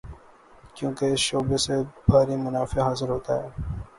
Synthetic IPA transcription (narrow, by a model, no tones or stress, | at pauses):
kjũːkeɪsʃoːbeːsebʱaːɾiːmʊnaːfeɦaːzəɾɦoːt̪a̰ːɦɛː